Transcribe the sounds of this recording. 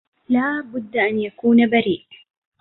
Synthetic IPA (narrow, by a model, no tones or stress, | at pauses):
laːbʊd̪ːaʔanjakuːnabaɾiːʔ